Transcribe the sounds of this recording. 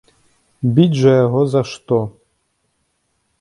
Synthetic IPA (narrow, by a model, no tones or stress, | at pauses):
bʲid͡ʒajaɦɔzaʃt̪ɔ